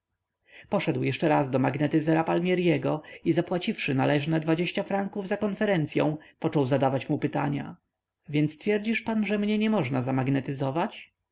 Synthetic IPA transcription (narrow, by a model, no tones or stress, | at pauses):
pɔʂɛd̪wjɛʂt͡ʂɛɾazd̪ɔmaɡnɛt̪ɘzɛɾapalmʲjɛɾjɛɡɔizapwat͡ɕifʂɘnalɛʐnɛd̪vad͡ʑeɕt͡ɕafɾaŋkuvzakɔnfɛɾɛnt̪sʲjɔ̰̃w̃pɔt͡ʂɔwzad̪avat͡ɕmupɘt̪aɲa̰ | vʲjɛnt̪st̪fʲjɛɾd͡ʑiʂpanʐɛmɲɛɲɛmɔʐnazamaɡnɛt̪ɘzɔvat͡ɕ